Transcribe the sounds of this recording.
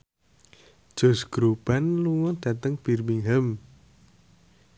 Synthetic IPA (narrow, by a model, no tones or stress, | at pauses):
ʒ̥o̤sɡ̥ɾub̥a̤nluŋɔd̪̥a̤t̪əŋb̥irmiŋɦəm